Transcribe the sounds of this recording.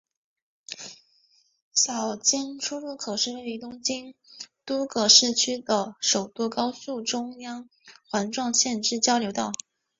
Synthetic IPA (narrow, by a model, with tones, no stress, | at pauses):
ɕjɑ˨˩ʊt͡ɕɛ˥nʈ͡ʂʰu˥lu˥˩kʰɤ˨˩ʂɻ̩˥˧we˥˩i˧˥˩t̪ʊ˥ŋt͡ɕi˥nt̪u˥kɤ˨˩ʂɻ̩˥˩t͡ɕʰy˥d̪ə˨ʂo˨˩ʊt̪u˥˩kɑ˥ʊsu˥˩ʈ͡ʂʊ˥ŋjɑ˥ŋ | xwa˧˥nʈ͡ʂwɑ˥˧ŋɕjɛ˥˧nʈ͡ʂɻ̩˥˩t͡ɕjɑ˥ʊljo˧˥ʊt̪ɑ˥˩ʊ